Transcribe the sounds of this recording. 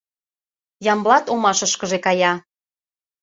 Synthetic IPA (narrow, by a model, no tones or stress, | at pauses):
jɑmblɑt̪omɑʃəʃkə̆ʒekɑjɑ